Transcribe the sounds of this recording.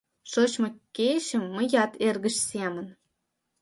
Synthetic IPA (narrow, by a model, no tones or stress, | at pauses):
ʃoɕmɤkʲːeɕə̆mːə̆jɑt̪erɣə̆ɕsemə̆n